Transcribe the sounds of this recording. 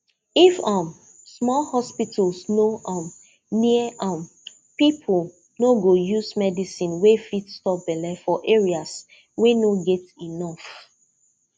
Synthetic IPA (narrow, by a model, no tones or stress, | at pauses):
ifʌ̃m | smɔlhɔspitʰlsnoʔɔm | niəʌm | pipʰl | noɡojusmɛdisĩnwefitstɔp̚bɛlɛfɔʔeɹias | wenoɡɛtinɔf